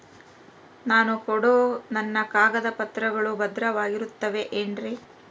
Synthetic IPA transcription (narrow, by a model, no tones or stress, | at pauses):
naːnukɔɽoːnɐnːɐkaːɡɐd̪ɐpɐt̪ɾɐɡɐɭubɐd̪ɾɐʋaːɡiɾut̪ːɐʋe̞ʔeːnɾi